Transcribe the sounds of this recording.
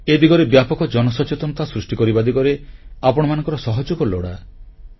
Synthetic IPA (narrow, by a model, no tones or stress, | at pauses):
ed̪iɡɔɾebjapɔkɔd͡ʒɔnɔsɔt͡ʃet̪ɔnɔt̪asɾusʈikɔɾibad̪iɡɔɾeapɔɽɔmanɔ̃ŋkɔɾɔsɔɦɔd͡ʒukɔlo̰ɽa̰